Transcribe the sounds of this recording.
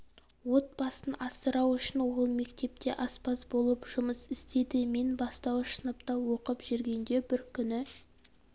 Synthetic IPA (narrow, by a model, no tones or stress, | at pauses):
wo̞t̪̚b̥ɑsənɑsəɾɑwʏʃɪnwo̞lˠme̞kt̪e̞p̚t̪e̞ʔɑspɑsbo̞lˠəpʒ̥ʊməsɪst̪e̞d̪ɪme̞nbɑst̪ɑwʃənəpt̪ɑwo̞qəpʒʏɾɡʲe̞nd̪e̞bɪɾkʲʰʏnɪ